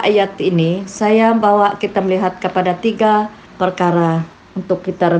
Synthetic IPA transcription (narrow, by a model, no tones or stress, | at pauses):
ajat̪inisajabawaʔkit̪aməliɦat̪̚kəpadat̪iɡa | pərkaɾa | unt̪ʊkːit̪aɾə